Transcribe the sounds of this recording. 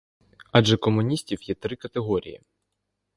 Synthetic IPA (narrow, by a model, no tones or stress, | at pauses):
ɑʒɛkɔmʊnʲisʲtʲiwjɛt̪ɾɪkɐt̪eɦɔɾʲḭjḭ